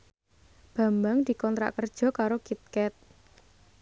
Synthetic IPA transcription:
b̥a̤mbaŋd̪̥i̤kɔnt̪ɾa̰ʔkərd̥ʒ̥ɔ̤kaɾokit̪̚kɛt̪̚

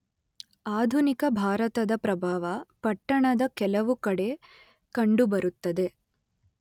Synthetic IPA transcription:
aːd̪ʱunikɐbʱaːɾɐt̪ɐd̪ɐpɾɐbʱaːʋɐpɐʈːɐɳɐd̪ɐkɛlɐʋukɐɽe̞ | kɐɳɖubɐɾʔut̪ːɐd̪e̞

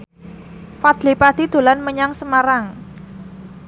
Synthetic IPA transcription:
fad̪̥lipad̪̥id̪̥o̤lanməɲaŋsəmaɾaŋ

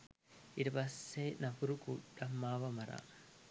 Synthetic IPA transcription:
iʈɐpɐsːenɐpuɾukuʈːɐmːaːʋɐmɐɾa̰

